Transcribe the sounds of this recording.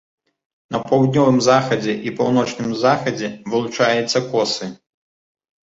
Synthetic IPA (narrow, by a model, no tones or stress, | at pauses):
nɐpɐwd̪ʲnʲɔvɨmzaxɐd͡zʲɛʔipawnɔt͡ʂnɨmzaxɐd͡zʲɛvɨlˠut͡ʂajɛt̪sːɐkɔsɨ